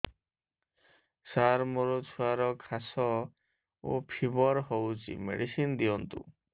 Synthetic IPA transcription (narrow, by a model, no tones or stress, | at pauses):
saɾmoɾot͡ɕʰuaɾɔkʰasɔ | o̰pʰibɔɾɦɔwt͡ɕḭmḛɽisind̪iɔnt̪ṵ